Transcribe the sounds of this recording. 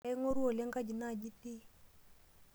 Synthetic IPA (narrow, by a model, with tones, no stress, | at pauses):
ɛ˦ŋo˦ɾu˦o˨lɛ˦ŋɡa˦˨d͡ʒi˨na˦˨d͡ʒi˦ti˦